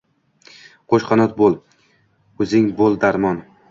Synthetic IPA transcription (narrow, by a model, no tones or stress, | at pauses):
qʰoʃχɒnɒt̪̚bolˠ | ɵzɪŋbolˠd̪aɾmɒn